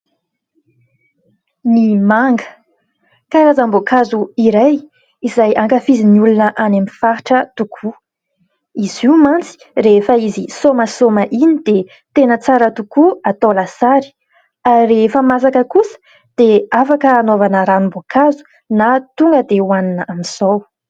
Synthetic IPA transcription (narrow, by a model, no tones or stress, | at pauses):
nimaŋɡə | kaɾazambokazuiɾaj | izajʔaŋkafiziniulunəʔanamifaɾʈ͡ʂət̪ukʰu | iziumant͡si̥refəizisoməsoməʔinid̪̥e | t̪enət͡saɾət̪ukuat̪olasaɾi̥ | arefəmas̬akəkusə̥ | d̪̥eafakəːnovanəɾanumbokʰazu̥ | nat̪uŋɡəd̪ewaninəʔamiz̥ow